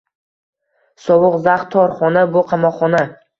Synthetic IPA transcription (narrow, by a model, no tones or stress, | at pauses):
sɒwʊqzaχt̪ʰːɒɾχɒnabʊqʰɑmɒqχːɒna